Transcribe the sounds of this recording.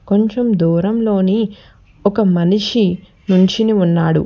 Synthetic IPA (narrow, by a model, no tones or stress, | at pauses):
ko̞ɲt͡ʃemd̪uːɾɐmlo̞ːni | ɔkɐmɐniʂi | nuɲt͡ʃiniunːaːɽṵ